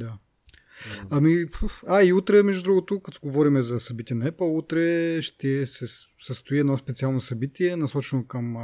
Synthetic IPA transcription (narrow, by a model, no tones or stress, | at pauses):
d̪a | ɐmipaiut̪ɾɛmɛʒud̪ɾuɡot̪okɐt̪oɡovɔɾimɛzɐsɐbit̪iɛnɐɛpəlˠut̪ɾɛʃt̪ɛsɛsəst̪ʊiɛd̪nɔspɛt̪sialˠnosɐbit̪iɛnɐsɔt͡ʃɛnokɐm